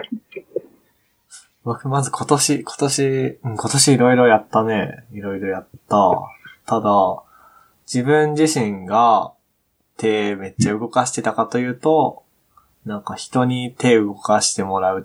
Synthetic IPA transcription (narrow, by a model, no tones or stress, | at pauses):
bo̞kɯ̟mazɨkʰo̞t̪o̞ɕikʰo̞̥t̪o̞ɕiɯ̟̃ɴko̞t̪o̞ɕiːɾo̞iɾo̞jat̪ːane̞iɾo̞iɾo̞jat̪ːat̪ad̪a | d͡ʑibɯ̟̃ɲd͡ʑiɕĩŋɡa | t̪ʰe̞ːme̞t͡ɕːaɯ̟ɡo̞kaɕi̥t̪e̞t̪akat̪o̞jɯ̟ːt̪o̞ | nãŋkaçi̥t̪o̞ɲ̟it̪e̞ːɯ̟ɡokaɕi̥t̪e̞mo̞ɾaɯ̟